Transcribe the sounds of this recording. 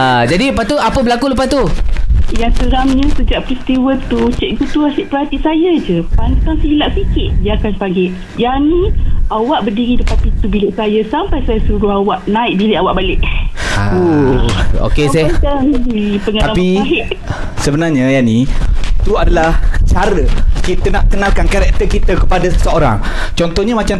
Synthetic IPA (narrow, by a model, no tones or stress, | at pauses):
ad͡ʒadipat̪uapəbəlakulupat̪u | jaŋsəɾamɲə̃səd͡ʒaʔpɾist̪iwət̪ut͡ʃɛʔ̚but̪uasiʔpərɦat̪isajad͡ʒəpant̪aŋslilaʔsikɪt̪̚diakanpaŋɡɛʔ | janĩawaʔbərdiɾidəpanpit̪ubiləsajasampajsajasuɾuawaʔnãɪʔ̚bileawaʔbalɪʔao | o̰kesɛtaaɡipəŋat̪aapiaɦɪʔ | səbənarɲajanit̪uadalaht͡ʃaɾəkit̪ənaʔkənalkankaɾɛk̚t̪əkit̪akəpadasəoɾa̰ŋ | t͡ʃɔnt̪ɔhɲamat͡ʃam